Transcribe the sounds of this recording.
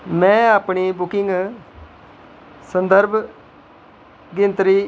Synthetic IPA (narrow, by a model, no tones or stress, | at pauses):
mɛ̃ːaːpɳiːbʊkɪŋɡ | sənd̪əɾb | ɡɪnt̪ɾiː